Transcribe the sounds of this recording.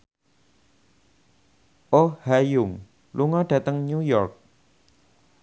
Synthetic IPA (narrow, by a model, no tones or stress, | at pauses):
ʔohajʊŋ | luŋɔɖ̥ä̤t̪əŋɲujɔrk̚